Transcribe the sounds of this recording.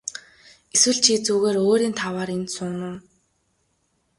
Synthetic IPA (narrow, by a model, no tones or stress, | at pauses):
eswɘ̆ɮt͡ɕʰit͡suːɣeːɾoːɾiːnt̪ʰawaːɾent̪sʊnʊ̆ː